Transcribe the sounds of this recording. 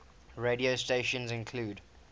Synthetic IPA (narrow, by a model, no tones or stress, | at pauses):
ɹediosteʃə̃nzɪ̃nkʰluːd